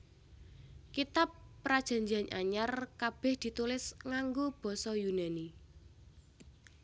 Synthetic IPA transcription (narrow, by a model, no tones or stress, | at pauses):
kit̪apːɾad̥ʒ̥a̤ɲd͡ʒianʔaɲarkab̥ɛ̤hd̪̥i̤t̪ulɪsŋaŋɡob̥ɔ̤sɔjunani